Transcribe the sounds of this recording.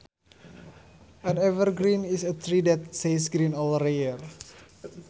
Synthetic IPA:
ʔə̃nɛvərɡɾinisət̪ɾidɛt̪̚sesɡɾĩnɔləɾeər

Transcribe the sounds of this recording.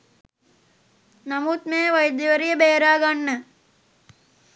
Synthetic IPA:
nɐmuːt̪meːʋɐjd̪jɐʋəɾijəbeːɾaːɡanːə

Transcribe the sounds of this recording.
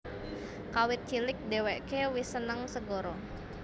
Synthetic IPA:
kawɪt̪̚hilɪk̚deweʔkewisənəŋsəɡoɾɔ

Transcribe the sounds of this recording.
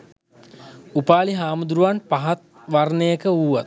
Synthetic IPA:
upaːliɦaːmud̪ɾuʋanpaɦat̪̚ | ʋarnejəkəuːʋat̪̚

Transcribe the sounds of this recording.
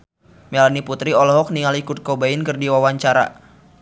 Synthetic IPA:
melaniput̪ɾiɔlɔɦɔk̚niŋalikut̪̚kobaɪnkərdiwawaɲt͡ʃaɾa̰

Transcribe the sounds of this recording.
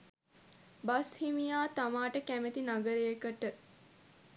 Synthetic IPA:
bashimijaːt̪amaːʈəkæmet̪inaɡəɾejekəʈə

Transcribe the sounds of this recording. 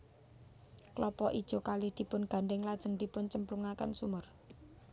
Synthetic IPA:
klɔpɔʔid̥ʒ̥o̤kalɪhd̪̥i̤pʊnɡ̥a̤ɳɖɪŋlad̥ʒ̥ə̤ŋd̪̥i̤pʊnt͡ʃəmpluŋaka̰nsumʊr

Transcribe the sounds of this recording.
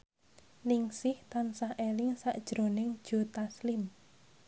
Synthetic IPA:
nɪŋsɪht̪ansahʔelɪŋsaʔd̥ʒ̥ɾo̤nɪŋd̥ʒ̥o̤t̪aslɪm

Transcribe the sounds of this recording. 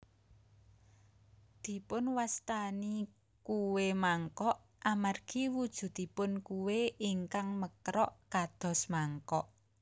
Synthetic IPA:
d̪̥i̤pʊnwast̪ani | kuwemaŋkɔʔ | amarɡ̥i̤wud̥ʒ̥ṳd̪̥i̤pʊnkuweiŋkaŋməkɾɔʔkad̪̥ɔ̤smaŋkɔʔ

